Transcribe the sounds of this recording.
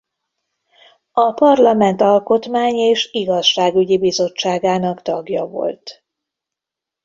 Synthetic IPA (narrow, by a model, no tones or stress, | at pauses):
ɒpɒrlɒmɛnt̪ɒlko̞t̪maːɲeːʃiɡɒʃʃaːɡyɟibizo̞t͡ʃːaːɡaːnɒkt̪ɒɡjɒvo̞̰lt̪